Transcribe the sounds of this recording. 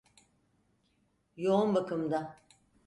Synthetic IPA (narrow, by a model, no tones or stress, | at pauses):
jounbakɯmd̪a